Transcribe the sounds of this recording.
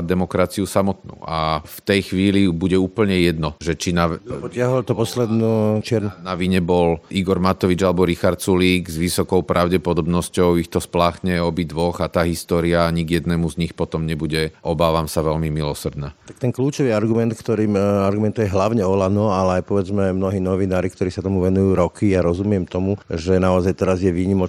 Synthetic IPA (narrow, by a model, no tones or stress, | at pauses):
d̪ɛmɔkɾat͡siusamɔt̪nṵʔaft̪ɛjxʋiːlibuɟɛuːpl̩ɲɛjɛd̪nɔʒɛt͡ʃinapɔɪaɦɔlt̪ɔpɔslɛd̪nut͡ʃɪɛɾnaʋiɲɛbɔlʔiɡɔɾmat̪ɔʋid͡ʒalɛbɔɾixaɾt̪suliːɡzʋisɔkɔʊpɾʔaʊɟɛpɔd̪ɔbnɔscɔʊixt̪ɔsplaːxɲɛɔbid̪ʋɔɣat̪aːɦist̪ɔːɾiaɲiɡjɛd̪nɛːmuzɲixpɔt̪ɔmɲɛbuɟɛʔɔbaːʋamsaʋɛʎmimilɔsrd̪nat̪ak̚t̪ɛnkluːt͡ʃɔʋiaɾɡumɛnt̪kt̪ɔɾiːmaɾɡumɛnt̪ujɛɦlaʊɲɛɔlanɔalɛajpɔʋɛd͡zmɛmnɔɦiːnɔʋinaːɾikt̪ɔɾiːsat̪ɔmuʋɛnujuːɾɔkʰijaɾɔzumɪɛmt̪ɔmuʒɛnaɔzajt̪ɛɾazjɛʋiːɲimɔt͡ʃ